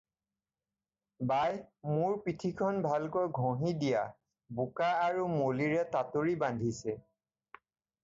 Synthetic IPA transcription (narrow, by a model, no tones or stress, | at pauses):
bajmuɹpitʰikʰɔnbʱalkojɡʱõɦidija | bukaːɹumoliɹɛtatoɹibandʱisɛ